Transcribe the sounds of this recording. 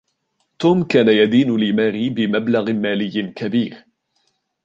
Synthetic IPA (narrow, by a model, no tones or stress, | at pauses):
t̪uːmkaːnajad̪iːnʊlɪmaːɾiːbɪmablaɣmaːlɪjːɪkabiːɾ